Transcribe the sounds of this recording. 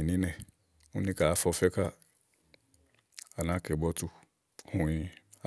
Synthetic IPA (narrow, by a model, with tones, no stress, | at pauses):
i˨nĩ˦nɛ̃˨ | ŋũ˦nĩ˦ka˨a˦fɔ˧fɛ˦ka˦ | a˨nã˨˦kɛ˨bɔ˦tu˦ | hũ˨ĩ˧ | a˦